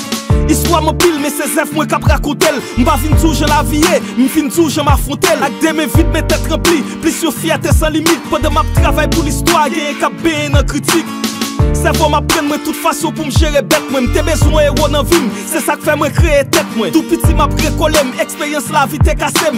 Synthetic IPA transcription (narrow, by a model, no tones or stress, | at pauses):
ist̪wamɐ̃pilmɛsezɛfmwɛ̃kapʁakɔ̃t̪elm̩pavĩnd͡zuʒɐ̃lavije | m̩vĩnd͡zuʒɐ̃mafʁɔ̃t̪elak̚d̪emɛ̃vit̪̚mɛ̃t̪ɛt̪ʁɐ̃pliplysjofiat̪ɛsɐ̃limit̪̚pɐ̃d̪ãmap̚t̪ʁavajpulist̪waɡɛ̃jɛ̃kap̚bɛ̃jɛ̃nɐ̃kʁitiksɛvɔ̃mapːʁɐ̃nmw̃ɛ̃t̪ut̪fasɔ̃pumʒeʁebɛt̪̚mwɛ̃m̩t̪ebezwɛ̃eʁɔnɐ̃vimsɛsakfɛmwɛ̃kʁeet̪ɛt̪̚mwɛ̃t̪upit͡simapʁekolemekspeʁjɐ̃slavit̪ekasem